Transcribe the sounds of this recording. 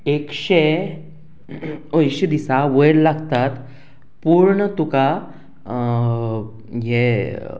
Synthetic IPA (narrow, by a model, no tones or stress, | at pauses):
ekɕe | ojɕid̪isaʋəjɽlaɡt̪at̪ | puɾɳət̪uka | je